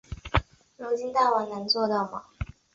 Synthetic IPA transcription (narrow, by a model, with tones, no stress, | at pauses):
lu˧˥t͡ɕi˥nt̪a˥˩wa˧˥nnə˧˥ŋt͡swɔ˥˧t̪ɑ˥˩ʊmɐ˨˩